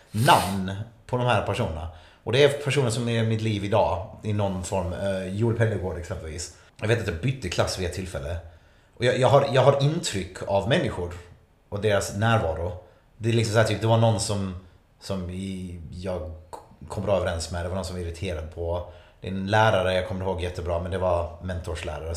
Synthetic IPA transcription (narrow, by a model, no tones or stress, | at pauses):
namnpʰɔd̪ɔmhæːɾpʰæʂuːnəna̰ | ɔd̪ɛæɾpʰæʂuːnənsɔmɛɾmɪt̪liːvɪd̪ɑːɪnɔnfɔɾmjuːɖ̪pʰɛd̪ːəɡoːɖɛksɛmpəlvḭːs | jɑveːt̪nt̪jɑːbʏt̪ːəkʰlasːvɪɛt̪ʰːɪlfɛlːə | ʔɔjɑjɑːɡɦaɾjɑːɡɦaɾɪnt̪ʰɾʏkʰːavmɛnːɪɧʊɾ | ʔɔd̪eːɾasnæːɾvɑːɾʊ | d̪ɛlɪksɔmsahæːʈt̪ʰyːp̚d̪ɛvaɳɔnːsɔm | sɔmɪjɑːɡkʰɔmːɾɑːœvəɾɛnsmɛd̪ɛvanɔnsɔmvaɪɾɪt̪ʰeːɾad̪̚pʰɔd̪̥ɛnlæːɾaɾəjɑːkʰɔmːəɾhoːɡjɛt̪ːəbɾɑːmɛnd̪ɛvaɾmɛnt̪ʰʊʂlæ̰ːɾaɾə